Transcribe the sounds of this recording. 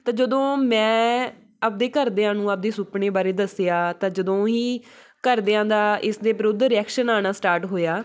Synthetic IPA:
t̪ãːd͡ʒəd̪õːmɛ̃ː | əp̚d̪eːkəɾd̪eːãːnũːap̚d̪eːsʊpɳeːbaːɾeːd̪əsjaːt̪ãːd͡ʒəd̪õːɦiː | kəɾd̪eːãːd̪aːʔɪsd̪eːbɾʊd̪ɾɪɛːkʃənaːnaːsʈaːɾʈɦoːjaː

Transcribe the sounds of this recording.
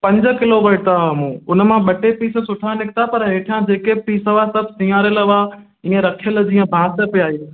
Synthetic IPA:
pɐ̃ɲd͡ʑə̆kɪloʋɐʈəɦɐmũːʊn̆mãɓɐʈepiːsə̆sʊʈʰãnɪkʰt̪apɐɾɦeːʈʰijãd͡ʑeːkepiːsəʋasɐbʱsĩjaːɾəlʋaː | ĩːə̃ɾɐkʰijəld͡ʑiːə̃bʱãːsə̆piaːɦi

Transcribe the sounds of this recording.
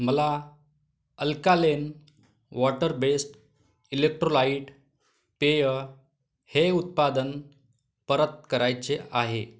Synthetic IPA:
məla | əlkalen | ʋɔʈəɾbesʈ | ilek̚ʈɾolaiʈ | pejə | heut̪̚pad̪ən | pəɾət̪̚kəɾajt͡seaɦe

